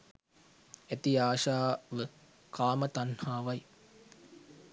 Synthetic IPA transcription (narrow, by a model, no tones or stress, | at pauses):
et̪iaːʃaːʋə | kaːmɐt̪ɐnhaːʋɐj